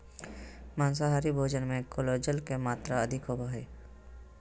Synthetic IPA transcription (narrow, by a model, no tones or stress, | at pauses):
maːns̬aɦaːɾibʱoːd͡ʒənmẽkoloːd͡ʒəlkemaːt̪ɾaəd̪ʱɪkɦobʱaːɦeː